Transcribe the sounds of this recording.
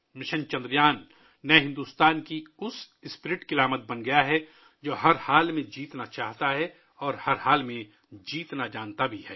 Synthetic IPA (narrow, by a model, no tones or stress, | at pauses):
mɪʃə̃nt͡ʃɐ̃nd̪ɾjaːnː | ɐɦɪ̃nd̪uːst̪aːnkiʊs | ɪspɪɾɪʈkɪlaːmət̪̚bɐnɡɐjaɦɛ | d͡ʒoːɦɐɾhaːlmẽd͡ʒiːt̪nat͡ʃaːɦt̪aɦɛ | ɔːɾhɐɾhaːlmẽ | d͡ʒiːt̪nad͡ʒaːnt̪abʱihɛː